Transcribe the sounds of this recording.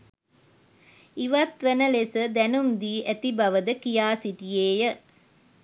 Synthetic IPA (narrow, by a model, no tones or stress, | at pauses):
iʋat̪ʋənəlesəd̪ɛnumd̪iːʔæt̪ibaʋəd̪əkijaːsiʈijeːjə